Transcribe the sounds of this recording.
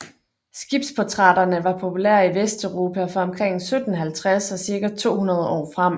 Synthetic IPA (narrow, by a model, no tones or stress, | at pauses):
sɡ̥ib̥spʰot͡sʰʁɑ̈d̥ɐnəʋɑ̈pʰo̝pʰulæɐ̰iʋesd̥øʊʁo̝ːpʰæfɒ̽ɒ̽mkʰʁeŋ̰sød̥n̩ɦælt͡sʰʁasɒ̽siɐɡ̥æt͡sʰo̝̰ːhunɐð̞ˠəɒ̰ːfʁɑm̰